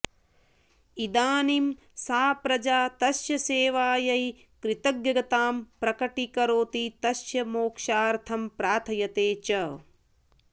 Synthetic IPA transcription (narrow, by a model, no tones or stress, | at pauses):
id̪aːnim | saːpɾɐd͡ʒaːt̪ɐʃjɐseːʋaːjɐj | kɾɪt̪ɐɡjɐɡɐt̪aːmpɾɐkɐʈikɐɾoːt̪it̪ɐʃjɐmoːkʃaːɾt̪ʰɐmpɾaːt̪ʰɐjɐt̪eːt͡ʃɐ